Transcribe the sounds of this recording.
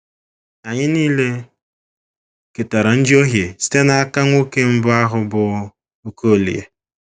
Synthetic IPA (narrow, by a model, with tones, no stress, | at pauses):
a˨ɲɪ˦niː˦le˦ | ke˨ta˨ɾa˨n̩˦d͡ʒi˦o˦ɦje˨si̥˦te˦na˦a˦ka˦ŋʷo˦ke˦m̩˦bʊ˦a˦ɦʊ˦bʊ˨ | o˦ko˦˨lḭ˨ḛ˨